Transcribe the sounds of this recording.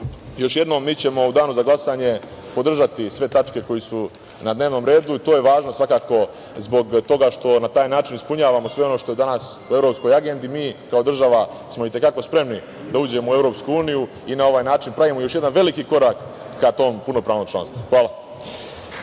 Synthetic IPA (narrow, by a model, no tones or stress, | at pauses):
jo̞ʃje̞d̪nomːiːt͡ɕe̞mo̞ud̪aːnuzaɡlˠasaːɲe̞ | po̞d̪r̩ʒat̪isʋe̞t̪at͡ʃke̞ko̞jesu | nad̪neːʋno̞ːmɾe̞ːd̪uit̪o̞ːje̞ʋaːʒno̞sʋakaːko̞ | zbo̞ɡt̪o̞ɡaʃt̪o̞nat̪aːjnaːt͡ʃinispuɲaːʋamo̞sʋe̞o̞no̞ʃt̪oe̞d̪anasuevɾo̞psko̞jaɡe̞nd̪imiːkao̞d̪r̩ʒaʋa | smo̞it̪e̞kako̞spɾe̞mni | d̪auːd͡ʑe̞moue̞vɾo̞ːpskuuːniju | inao̞ʋaːjnaːt͡ʃinpɾaʋimojoʃje̞d̪anʋe̞likiko̞ɾaːkː | at̪o̞ːmpunopɾaːʋno̞ːmt͡ʃlˠa̰nst̪ʋuxʋaːlˠa